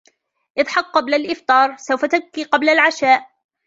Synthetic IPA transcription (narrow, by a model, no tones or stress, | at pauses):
ʔɨðˤħɑq̚ːɑblalʔɪft̪ˤɑːɾˤsawfat̪akːiːqɑblalʕaʃaːʔ